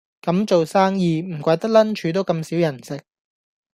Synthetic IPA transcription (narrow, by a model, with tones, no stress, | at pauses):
kɐ˨˥mt͡so˨wsaː˥ŋjiː˨˧m̩˨˩kʷaː˧jt̪ɐ˥k̚lɐ˥nt͡ʃʰyː˨˥t̪o˥wkɐ˧msiː˨˥wjɐ˨˩nsɪ˨k̚